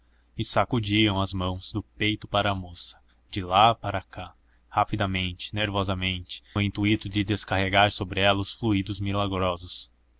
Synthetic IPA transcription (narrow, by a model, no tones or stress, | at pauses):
ɪsakud͡ʒiɐ̃w̃ɐzmɐ̃w̃z̥d̪ʊpejt̪ʊpaɾɐːmosɐ̥ | d͡ʒɪlapaɾaka | hapid̪ɐmẽnt͡ʃɪ̥neɾvɔzɐmẽnt͡ʃɪ̥ʊĩnt̪uit̪ʊd͡ʒɪd̪eskaheɡaɾsobɾɪɛlɐʊsfluid̪ʊzmilaɡɾɔzʊs